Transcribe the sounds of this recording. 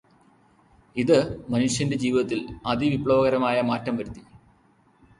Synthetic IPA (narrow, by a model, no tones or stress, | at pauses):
iðɨmɐnuʂjɐnde̞d͡ʑiːʋiðɐt̪ːilɐd̪iʋipɭɐʋɐɣɐɾɐmaːjɐmaːtːɐmʋɐɾut̪ːi